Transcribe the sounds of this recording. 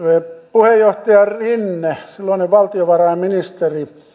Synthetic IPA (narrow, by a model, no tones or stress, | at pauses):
epuhejjoht̪ɑjɑrinːesilːoˑineʋʋɑlt̪ioʋɑrɑimminist̪eri